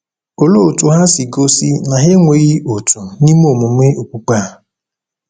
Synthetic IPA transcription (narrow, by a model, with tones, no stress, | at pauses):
o˨lo˦˨tu˨ɦa˦si˨ɡo˦si˦na˨ɦe˦ŋʷe˨ɣi˦o˨tu˨ni˦mo˦˨mu˨me˦ʔo˨ku˦k͡pa˦˨